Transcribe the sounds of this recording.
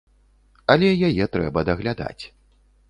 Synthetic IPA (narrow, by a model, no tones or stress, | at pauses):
ɐlʲɛjajɛt̪ɾɛ̰bɐd̪ɐɣlʲad̪a̰t͡sʲ